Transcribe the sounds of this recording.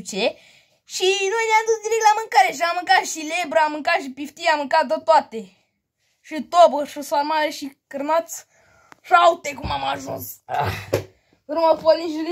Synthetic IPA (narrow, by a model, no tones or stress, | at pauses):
t͡ʃe | ʃinojnʲamd̪usd̪iɾek̚lamɨŋkaɾeʃ̬amɨŋkaʃilebɾamɨŋkaʃ̬ipift̪iamɨŋkat̪d̪ət̪wat̪e | ʃit̪obəʂɨswamaleʃikɨɾmat̪s | ʃawt̪ekumamaʒunsa | ɾumapoliʒuɾi